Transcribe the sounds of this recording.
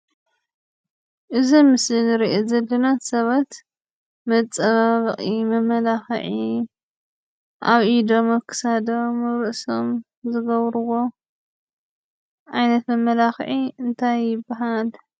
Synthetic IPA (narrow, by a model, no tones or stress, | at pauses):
ʔɨzimɨsɨnɨɾiʔozɐlːɐnat̪sɐβat̪ | mɐt͡sʼɐβaβɨχʼimɐmɐlaxʕi | ʔa̰βʔid̪o̞mɐkʰɨ̥sad̪omɨɾɨʔsom | zɨɡɐβɾɨwo̞ | ʔajnɐt̪mɐmːɐlaxʕiɨnt̪ʰajːɪbːaɦal